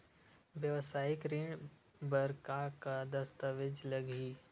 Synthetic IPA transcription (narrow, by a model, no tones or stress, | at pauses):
ʋjəʋsaːɪkɾĩɳɖ | bəɾkakad̪ɐst̪əʋɪd͡ʒləɡʱiː